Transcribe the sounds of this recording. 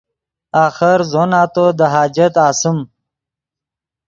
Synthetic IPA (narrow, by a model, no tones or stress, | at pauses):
aːxɪɾzonaːt̪od̪əɦaːd͡ʒɐt̪aːsɪm